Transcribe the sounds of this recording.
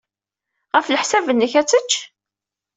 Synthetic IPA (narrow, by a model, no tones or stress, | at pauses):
ʁəfləħsævənːəçæt͡sːət͡ʃː